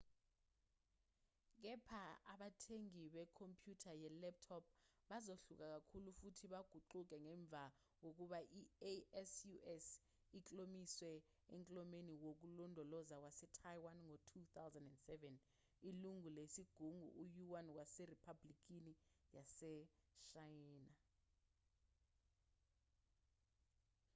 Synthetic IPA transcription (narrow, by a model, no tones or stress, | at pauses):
k̬ɛpʰaaɓatʰeŋiɓɛkʰompʰʼjutʰajɛlɛp̚tʰɔp̚ʰɓazoɬuk̬ʼak̬akʰulufutʰiɓaɡ̥ʱuǃuk̬ʼɛŋɛɱb̪vʱa | k̬ok̬uɓaʔieɛsjuɛs | it͡ɬʼomiswɛ | eŋkʼlɔmeniwok̬ulɔndʱɔlɔzak̬wasɛtʰajwanŋɔtʰut̪awzandɛndsɛvɛn | iluŋulesiɡ̥ʱuŋṵʔːjuwank̬waseripʰablik̬ʼinijasɛʃajiːna